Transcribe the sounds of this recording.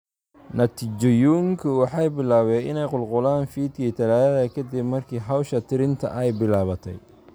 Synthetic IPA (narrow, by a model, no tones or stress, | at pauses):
nɐt̪ʰiːt͡ʃɔjuːŋkʰʊwɑħɑjbɪlaːβɛʔɪnɛjqʊlqʊlaːnfiːd̪kʰiːt̪ʰɐlaːjɐðɐkʰɐd̪ibmɐrkʰiːɦɐwʃɐt̪ʰɪɾɪnt̪ʰɐ̰ʔɛjbɪlaːβɐt̪ʰɛ̰j